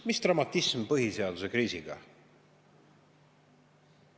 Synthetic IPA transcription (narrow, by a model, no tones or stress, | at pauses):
mist̪rɑmɑt̪ːˑismpɤɦiseɑd̪̥use̞kɾiːsiɡ̥ɑ̰